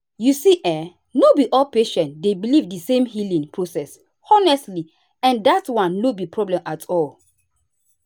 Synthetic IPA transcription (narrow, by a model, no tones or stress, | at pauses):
jusiʔɛ | nobiʔɔlpeʃɛ̃ntdebilivdisẽmhilĩŋpʰɹosɛs | ɔnɛstli | ɛ̃ndatwãnːobipʰɹɔblɛ̃mʔatʰɔl